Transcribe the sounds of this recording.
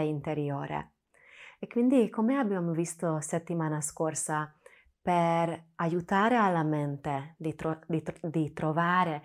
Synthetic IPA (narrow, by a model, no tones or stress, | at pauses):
ɛint̪ɛɾioːɾɛ̰ | ɛkmind̪iɡkʰːomojaːbiamvist̪osɛt̪ːimanaskorsa | pɛɾajut̪aːɾɛalːamɛnt̪ɛd̪it̪od̪it̪d̪it̪ɾovaːɾɛ